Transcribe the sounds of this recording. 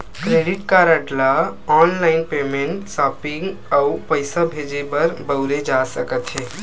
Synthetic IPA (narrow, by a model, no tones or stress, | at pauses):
kɾeɖiʈkaɾəʈlaɔnlaɪnpemeɳʈsapiŋɡaupəjsabʱed͡ʒebəɾbəwɾed͡ʒasəkət̪t͡ʃʰe